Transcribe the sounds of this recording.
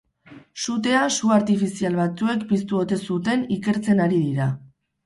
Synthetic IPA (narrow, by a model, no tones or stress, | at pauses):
sut̪e̞asuaɾt̪ifisialβat͡sue̞k̚pist̪uot̪e̞sut̪e̞nike̞ɾt͡se̞naɾiðiɾa